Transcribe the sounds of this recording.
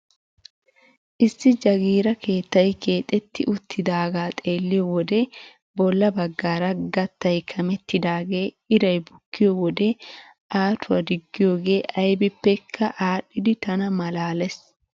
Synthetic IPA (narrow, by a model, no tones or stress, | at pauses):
ʔɪsːɪd͡ʒɐɡiːɾɐke̞ːt̪ːɐjkʰe̞ːt̪ʼːɛt̪ːɪʔʊt̪ʰːɪd̪aːɡaːt̪ʼe̞ːlːɪjɔwɔd̪ɛ | bɔlːɐbɐɡːaːɾɐɡɐt̪ːɐjkʰɐmɛt̪ːɪd̪aːɡe̞ː | ɪɾɐjbʊkːɪjɔwɔd̪ɛ | ʔaːt̪ʊwɐd̪ɪɡːɪjo̞ːɡe̞ːʔɐjbɪpːɛkʰːɐʔaːɗːɪd̪ɪt̪ɐnɐmɐlaːlɛs